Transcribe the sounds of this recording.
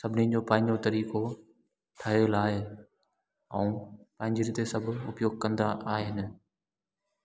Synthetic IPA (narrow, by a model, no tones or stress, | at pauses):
sɐbʱɪnid͡ʑoːpɐ̃ɦɪ̃ɲd͡ʑot̪ɐɾiːko | ʈʰɐɦelaːe | ɛ̃ːpɐ̃ɦɪ̃ɲd͡ʑiɾɪt̪esɐbʱʊ̰pjoːɡ̚kɐ̃nd̪aʔaːɦeɦɪnɪ̆